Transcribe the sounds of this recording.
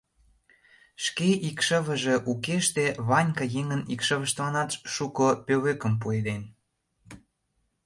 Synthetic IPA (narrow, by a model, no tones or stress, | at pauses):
ʃkeʔikʃəβə̆ʒe̽ʔukeʃt̪eβɑnʲkɑjeŋənikʃə̆βə̆ʃt̪βɑnɑt̪ʃʃukŏpøβøkəmp̬ued̪en